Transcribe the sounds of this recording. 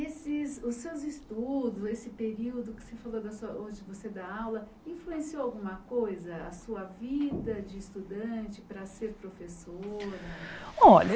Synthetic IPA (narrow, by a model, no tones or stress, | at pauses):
esɪsʊsːewzist̪ud̪ʊzesɪpeɾiwd̪ʊkɪ̥sefalod̪ɐsuɐõd͡ʒɪvosed̪aawlɐ | ĩfluẽsioawɡũmɐkojzɐɐsuɐvid̪ɐd͡ʒɪːst̪ud̪ɐ̃t͡ʃɪpɾɐseɾpɾofesoɾɐɔʎɐ